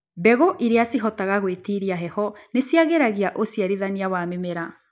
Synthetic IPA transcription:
bɛɣoʔiɾeasiɦɔtaɣaɣwetiɾiaɦɛhɔnesiaɣeɾaɣiaʔosiaɾiðaniawamemeɾa

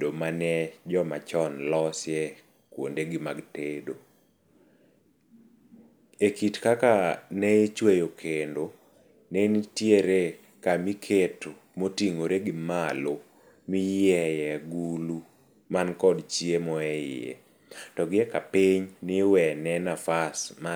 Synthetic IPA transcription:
omanɛd͡ʒɔmat͡ʃɔnlɔsjɛ | kwo̰ndeɡɪmaɡtedo | ekitkakanɛt͡ʃwejokʰendo | nenitjeɾe | kamikʰeto | motiŋoɾeɡɪmalo | mɪjɛjɛɡulu | mankɔdt͡ʃiemɔɛjɪ̰jɛ̰ | tɔɡɪɛkapiɲnɪwɛnɛnafasma

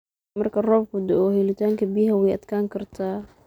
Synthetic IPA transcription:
mɐrkʰɐrɔːb̚kʰʊd̪ɛɔːhɛlɪt̪ʰaːŋkʰɐbijɦɐwɛjʔɐd̪̥kʰaːŋkʰɐrt̪ʰaː

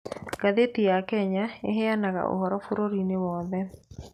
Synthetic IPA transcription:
ɡ̥aðetijakɛɲaeɦɛanaɣa̰ʔo̰ɦɔɾɔfoɾoɾinewɔːðɛ

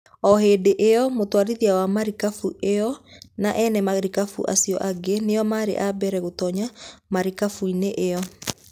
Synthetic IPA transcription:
ɔheːdeʔeɔmotwaɾiðiawamaɾikafuʔeɔnaʔɛnɛmaɾikafṵʔa̰siɔ̰ʔaɡenejɔmaːɾḛʔabɛɾɛɣotɔɲamaɾikafuineʔeɔ

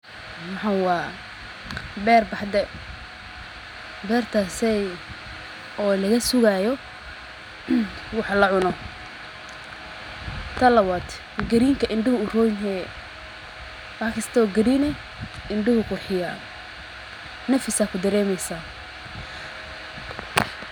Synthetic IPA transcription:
mɑħawɑː | bɛːrbɐħd̪ɛ | bɛːrt̪ʰasɛj | ɔːlɐɣɐsʊɣajɔ | wɑħɑlɐʕʊnɔ | t̪ʰɐlɐwɐt̪ʰ | ɡɐɾiːŋkʰɐʔɪɳɖɪhʊʊrɔːjnɦɛ | wɑħkʰɐst̪ʰɔːɡɐɾiːnɛ | ɪɳɖɪhʊkʰʊrħɪja | nɐfɪsaːkʰʊd̪ɐɾɛːmɛjsa

